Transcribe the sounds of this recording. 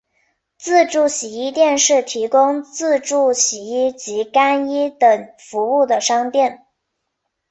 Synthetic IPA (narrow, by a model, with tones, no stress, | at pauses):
t͡sɹ̩˥˧ʈ͡ʂu˥˩ɕi˨˩i˥˧t̪jɛ˥˧nʂɻ̩˥˩t̪ʰi˧˥kʊ˥ŋt͡sɹ̩˥˧ʈ͡ʂu˥˩ɕi˨˩i˥˩t͡ɕi˧˥ka˥ni˥t̪ə˨˩ŋ | fu˧˥u˥˩d̪ə˩ʂɑ˥ŋt̪jɛ˥˩n